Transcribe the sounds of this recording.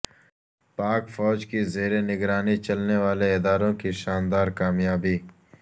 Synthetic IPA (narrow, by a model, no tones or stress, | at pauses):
paːkfɔːd͡ʒkizeːɾenɪɡɾaːnit͡ʃɐlneʋaːleɪd̪aːɾõkiʃaːnd̪aːɾkaːmjaːbiː